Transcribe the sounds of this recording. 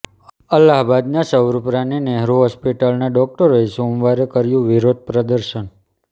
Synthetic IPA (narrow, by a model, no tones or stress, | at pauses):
əlːaɦbad̪nasəʋɾupɾanineɦɾoɦɔspiʈəlnaɖɔk̚ʈəɾoesomʋaɾekəɾjũʋiɾod̪̚pɾəd̪əɾʃən